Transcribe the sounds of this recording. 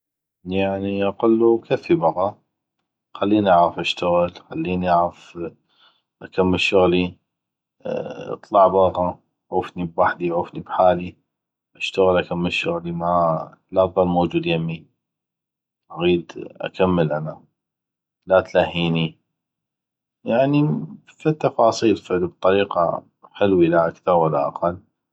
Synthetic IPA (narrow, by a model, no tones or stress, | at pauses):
jaʕniʔɑqalːukʰafːibɑɣɑ | xalːiːnʔaʕɾɑfʔaʃt̪aɣɪlxalːiːniʔaʕɾɑf | ʔakamːəlʃʊɣli | ɨ̰t̪ˤlɑʕbɑːɣɑ | ʕuːfnibwaħd̪iʕuːfnibħaːli | ʔaʃt̪aɣəlʔakamːəʃːʊɣlima | lɑˤɑlmoːd͡ʒuːd̪jamːi | ʔaɣiːd̪ʔa̰kʰamːəlʔana | lat̪lahːiːni | jaʕni | fit̪ːɑfɑːsˤiːlflb̚t̪ˤɑɾiːqa̰ | ħɪlwilaʔakθɑɾˤwɪlːa̰ʔɑ̰qalː